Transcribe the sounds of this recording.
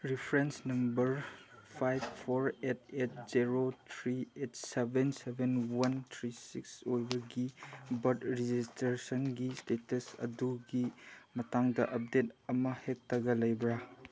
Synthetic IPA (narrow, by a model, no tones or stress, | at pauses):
ɾipʰɾensnɐmbɐɾpʰajbpʰoɾet̚ʰet̚ziɾotʰɾiet̚sebensebenwɐntʰɾisiksojbɐɡibɐɾdɾid͡ʒistɾesɐnɡistetɐsɐ̰duɡimɐtaŋdɐʔɐp̚detɐmɐhek̚tɐɡɐlɐjbɾa